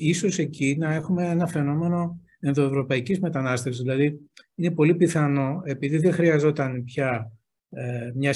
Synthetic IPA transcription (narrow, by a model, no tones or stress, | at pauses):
iso̞se̞cinɐe̞xume̞e̞nɐfe̞no̞me̞no̞ | e̞nðo̞e̞vɾo̞pɐicizme̞t̪ɐnɐst̪efsizðilɐðiine̞po̞lipiθɐno̞e̞piðiðexɾiɐzo̞t̪ɐnpçɐ | mɲɐ